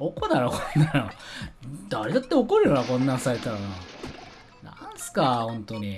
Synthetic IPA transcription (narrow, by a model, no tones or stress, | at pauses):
okod̪aɾokonnaɾo | d̪aɾed̪at̪ːe̞okoɾɯjaɾakõ̞nːãsaɾe̞t̪aɾana | nã̰ɰ̃sɨ̥kahõ̞nt̪o̞ɲ̟i